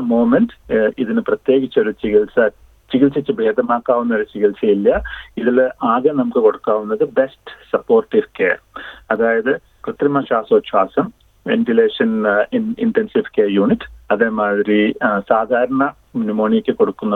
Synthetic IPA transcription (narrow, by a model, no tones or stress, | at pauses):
moːmendiðinɨprɐt̪je̞ːɣit͡ɕːo̞ɾut͡ɕiɣilsɐ | t͡ɕiɡilsɐt͡ɕːɨbʱeːd̪ɐmaːkːaːʋunːɐoɾut͡ɕiɣilsɐjilːɐiðilaːɡɐnɐmukːɨko̞ɽukːaːʋunːɐðɨbe̞sʈsɐpːo̞ːrʈːifkḛːɐðaːjɐðɨ | krɨt̪rimɐʂaːsoːɕwaːsɐm | ʋḛntile̞ːʂɐnninʈensifkeːjuːɳiʈːɐðe̞ːmaːðɾisaːd̪ʱaːɾɐɳɐ | minumoːɳijekʲːɨko̞ɽukːunːɐ